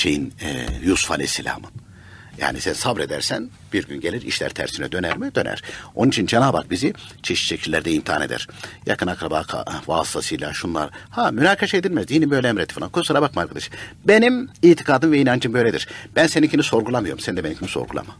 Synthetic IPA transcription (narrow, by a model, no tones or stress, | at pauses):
ʃejin̰jusu̥fa̰lʲesilʲa̰ːmɯn | ja̰ːnisænsabɾe̞d̪æ̰ɾsæn | b̥iɾɟynɟe̞lʲiɾḭʃlʲæ̰ɾt̪ʰæ̰ɾsinɛ̰d̪ø̞næɾmɛd̪ø̞næ̰ɾ̥o̞nunit͡ʃʰind͡ʒenaːba̰k̚bizit͡ʃʰeʃi̥ʃecʰilʲːæɾd̪ɛimt̪ʰiaːned̪æ̰ɾ̥ja̰kʰɯnakɾabaːkʰvaːst̪ʰasɯjlʲˠa̰ʃunlˠa̰ɾhaːmynaːkʰaʃaed̪ilʲmɛzd̪iːnimbø̞jlʲeemɾet̪i̥falˠankʰosaɾabakmaːɾkʰad̪aʃɯ̥be̞nimiːt̪ʰi̥kʰaːd̪ɯmvɛinand͡ʒɯmbø̞jlʲed̪ḭɾ̥b̥ænsenimcʰiniso̞ɾɡulˠamɯjo̞ɾumsɛnd̪ɛbenimcimi̥so̞̰ɾɡulˠa̰ma